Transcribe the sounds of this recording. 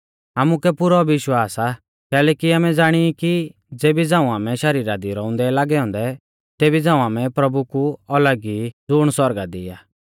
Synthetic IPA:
aːmukɛpʊɾɔʋɪʃwaːsa | kɛːlɛːkiaːmɛd͡zaːɽ̃iiki | d͡zeːbid͡zãːũaːmɛʃɐɾiːɾad̪iɾɔʊ̃nd̪ɛlaːɡɛɔ̃ːnd̪ɛ | t̪eːbid͡zãːũaːmɛ̃pɾɐbukuɐləɡid͡zʊɽ̃sɔɾɡad̪ɪ̰jaː

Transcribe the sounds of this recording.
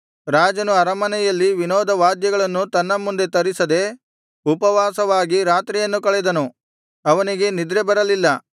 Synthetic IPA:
ɾaːd͡ʒɐnuɐɾɐmɐnɛjɐlːiʋinɔːd̪ɐʋaːd̪jɐɡɐɭɐnːut̪ɐnːɐmːund̪e̞t̪ɐɾisɐd̪e̞ | upɐʋaːsɐʋaːɡiɾaːt̪ɾijɐnːukɐɭɛd̪ɐnu | ɐʋɐniɡe̞nid̪ɾebɐɾɐlilːɐ

